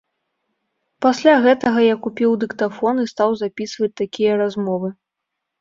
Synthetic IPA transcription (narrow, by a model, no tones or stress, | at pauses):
pasʲlʲaɣɛt̪ɐɣɐjakupʲiwd̪ɨkt̪afɔnɨst̪awzapʲisvɐt͡sʲt̪akʲijɐɾazmɔvɨ